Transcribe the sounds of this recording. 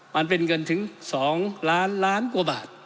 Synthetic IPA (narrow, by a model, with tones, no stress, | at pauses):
ma˧npe˧nŋɤ˧nt̪ʰɯ˩˦ŋsɔː˩˦ŋlaː˦˥nlaː˦˥nku˧ɐbaː˨˩t̪̚